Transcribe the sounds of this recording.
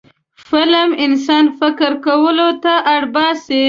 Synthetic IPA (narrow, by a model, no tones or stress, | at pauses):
fɪləmɪnsɑnfɪkɪɾkawəlot̪aʔaɽbɑsi